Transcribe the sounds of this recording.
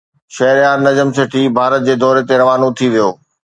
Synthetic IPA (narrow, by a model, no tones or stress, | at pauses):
ʃɐɦɪɾjaːɾnɐd͡ʑəmseʈʰibʱaːɾət̪̚d͡ʑeːd̪ɔːɾet̪eɾɐʋaːnot̪ʰiʋijoː